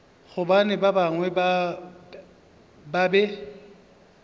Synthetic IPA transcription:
χʊbanɪbabaŋwɛba | babɛ

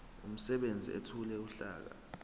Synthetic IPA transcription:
um̩sɛɓend͡zʱḭḛtʰulɛuɬa̰ːk̬a̰

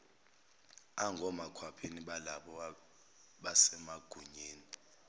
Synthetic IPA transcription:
aŋɡʱɔmakʰwapʰeniɓalaɓɔ | ɓasɛmaɡ̥ʱuɲeːni

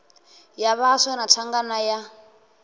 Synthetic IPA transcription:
jaβasɛnatʰaŋɡanaja

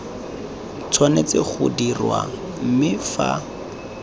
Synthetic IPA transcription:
t͡sʰwanet͡sɪχʊ̰dirwa̰ | m̩mɪfa

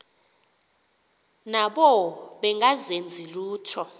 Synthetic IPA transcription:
naɓɔɓɛŋɡʱazend͡zʱiluːtʰɔ

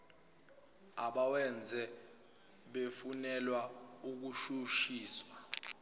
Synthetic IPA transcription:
aɓawɛnd͡zʱɛ | ɓefunɛlwauk̬uʃuʃiːswa

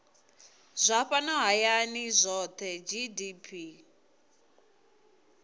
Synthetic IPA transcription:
zʷaɸanɔɦajanizʷɔt̪ʰɛd͡ʒidipʰi

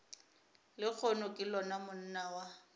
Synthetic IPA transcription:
lɪk͡xʰɔnʊkʼɪlɔnamʊn̩nawa

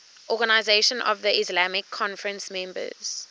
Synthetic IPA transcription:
ʔɔɡanaɪzeʃɔ̃nʔɔ̰vðəʔislamɪkʰːɔ̃nfəɹə̃nsmẽmbə̰z̥

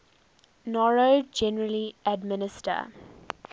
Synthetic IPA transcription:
nɔɹod͡ʒɛnəɹəliæɖ̚mɪnɪsʈə̰

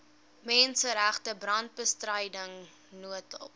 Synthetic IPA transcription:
mɛnsəɾæχtəbrɐnt̚bəstrəjdəŋ | nuətɔ̰p̚

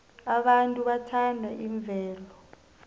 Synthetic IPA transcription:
aɓantʼuɓatʰandʱaʔiɱb̪vʱɛːlɔ

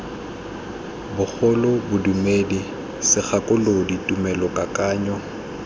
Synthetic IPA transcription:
bʊk͡xʰɔlʊbʊdumedi | sɪk͡xʰakʼʊloditʼumɛlɔkʼakʼaːɲɔ

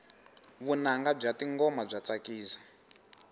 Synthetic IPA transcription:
βunaŋɡab͡ʐatiŋɡɔmab͡ʐat͡sakiːzḁ

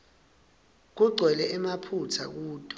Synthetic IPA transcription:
k̬uɡ͡ǀʱwɛlɛʔɛmapʰutʰa̰k̬uːd̥ʱʼɔ̥

